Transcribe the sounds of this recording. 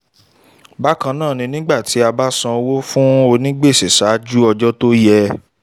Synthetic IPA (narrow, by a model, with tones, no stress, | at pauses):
ba˦kã˧nãː˦˨nĩ˧nĩ˦ɡ͡ba˦˨ti˨˦a˧ba˦sã˧wo˦fũ˦o˧nĩ˦ɡ͡be˦˨se˨sa˨˦d͡ʒu˦ɔ˧d͡ʒɔ˦to˦jɛ˧